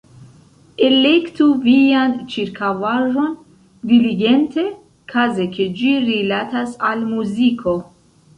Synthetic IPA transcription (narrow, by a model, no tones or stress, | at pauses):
elektuviant͡ʃiɾkʰavaʒo̞n | diliɡente̞ | kʰazekʰed͡ʒiɾilatasalmuzikʰo̞